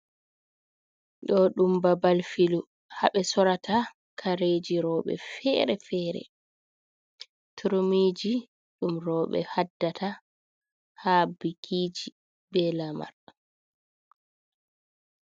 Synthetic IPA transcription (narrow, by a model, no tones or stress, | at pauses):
ɗɔɗumbabalfilu | haɓɛsɔɾatʰa | kʰaɾeːd͡ʒiɾɔːɓɛ̰fɛɾɛfɛːɾɛ̰ | tʰuɾmiːd͡ʒi | ɗumɾɔːɓɛ̰hadːatʰa | habikʰid͡ʒi | bɛlama̰ɾ